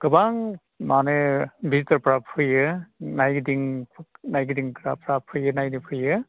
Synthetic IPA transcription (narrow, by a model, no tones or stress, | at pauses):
ɡ̥ɯbaŋ | manebizitɐɾpɾapʰɯjɯnajɡidiŋpʰnajɡidiŋkɾapɾapʰɯjɯnajnipʰɯjɯ